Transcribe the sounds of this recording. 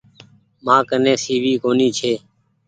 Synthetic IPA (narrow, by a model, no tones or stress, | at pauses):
mãːkənẽːsiːʋiːkoːniːt͡ʃʰeː